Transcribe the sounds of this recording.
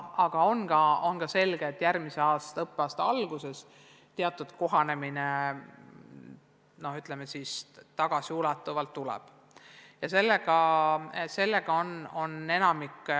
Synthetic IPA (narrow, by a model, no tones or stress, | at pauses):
ɑɡ̥ɑo̞nɡ̥ɑo̞nɡ̥ɑse̞lɡ̥eːt̪ːˑjærmise̞ɑːst̪ɑɤpːˑeɑːst̪ɑɑlɡ̥use̞s | t̪e̞ɑt̪ːˑud̪̥ko̞ɦɑne̞mine | no̞hyt̪ˑle̞mesist̪ɑɡ̥ɑsiulɑt̪ːˑuvɑlt̪ːulɛ̰b̥ | jɑse̞lːeɡ̥ɑ | se̞lːe̞ɡ̥ɑo̞no̞ne̞nɑmikː